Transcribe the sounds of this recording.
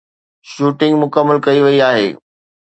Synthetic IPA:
ʃuːʈɪ̃ŋɡmʊkəmːəlkɐiʋɐiaːɦḛː

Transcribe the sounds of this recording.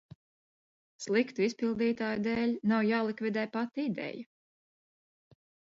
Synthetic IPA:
slˠikt̪uispilˠd̪iːt̪aːjud̪eːlʲnawjaːlˠikvid̪ɛːjpat̪id̪ɛ̰ja

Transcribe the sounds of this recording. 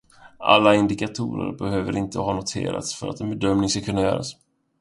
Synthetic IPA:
ʔa̰lːaɪnd̪ɪkat̪ʰuːɾə̰ɾbɛhøːvəɾʔɪnt̪əɦɑːnʊt̪ʰḛːɾa̰t̪sfœɾa̰t̪ɛnbɛd̪œmnɪŋskakʰɵnːajœːɾas

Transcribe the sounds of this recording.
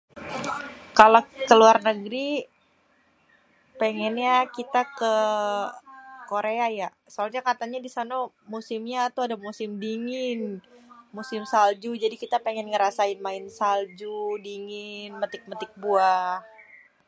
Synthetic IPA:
kalokəluarnəɡɾi | peŋɛnɲakit̪akə | koɾeaja | soalɲakat̪aɲadisana | musɪmɲaːt̪uadamusɪmdiŋɪnmusɪmsald͡ʒud͡ʒadikit̪apeŋɛnŋəɾasaɪnmaɪnsald͡ʒudiŋɪnmət̪ɪk̚mət̪ɪk̚buah

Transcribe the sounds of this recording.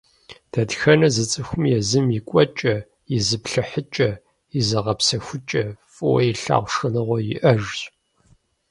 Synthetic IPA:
d̥ɐdxɐnɐzɨt͡sʼɨxʷʊmjɛzɨmjikʷʼɔt͡ʃʼɐ | jɪzɨpɬɨħət͡ʃʼɐ | jɪzɐʁɐpsɐxʷʊt͡ʃʼɐfʼɨwɔjiɬa̰ːʁʷʂɨnɨʁʷɔjɪʔɐʒɕʼ

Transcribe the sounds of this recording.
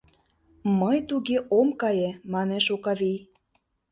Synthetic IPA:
məjt̪uɣeʔomkɑjemɑneʃokɑβij

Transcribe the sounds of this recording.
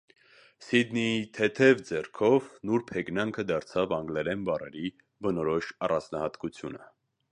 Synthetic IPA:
sid̪nit̪ʰɛt̪ʰɛvd͡zɛrkʰɔvnuɾpʰɛɡnɑŋkʰəd̪ɑɾt͡sʰɑvɑŋɡlɛɾɛnbɑrɛ̰ɾi | bənɔɾɔʃɑrɑnt͡snɑhɑt̪kut͡sʰjunə̰

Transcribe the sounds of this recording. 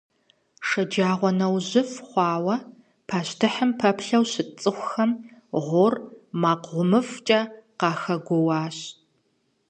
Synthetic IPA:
ʂɐd͡ʒaːʁʷɔnɐwʑɪfχʷɑːwɐ | pʰaːɕtʰɨħəmpʰɐpʰɬɐwɕɪt͡sʼɨχʷʊxɐmʁʷʊrmaːqʁʷʊmɨft͡ʃʼɐqɑːxɐɡʷɔwɑːɕ

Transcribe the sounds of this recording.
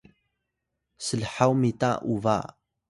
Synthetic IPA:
səlħawmita̰ʔuva̰

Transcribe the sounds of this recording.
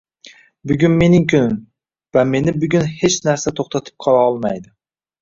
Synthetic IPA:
bʊɡʲʊnme̞nɪŋkʲʰʊnɪm | vame̞nɪbʊɡʲʊnhe̞t͡ʃnaɾsat̪ʰoχt̪ʰat̪ʰɪ̥p̚qʰɒlˠaɒlˠmajd̪ɪ

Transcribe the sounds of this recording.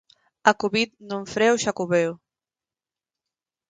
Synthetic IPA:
akuβit̪̚nõɱfɾewʃakuβew

